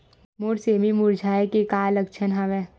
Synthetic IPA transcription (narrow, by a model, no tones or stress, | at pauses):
moːɾseːmimʊɾd͡ʒʱaːekekaːlɐkt͡ʃʰənɦɐʋẽː